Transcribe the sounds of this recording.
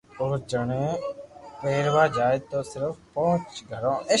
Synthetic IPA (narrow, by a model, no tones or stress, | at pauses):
ʊɾd͡ʒəɳẽːpeːɾʋaːd͡ʒaːɪd̪̚t̪oːsɪɾəfpɔ̃ɦʊ̃t͡ʃɡʱəɾõː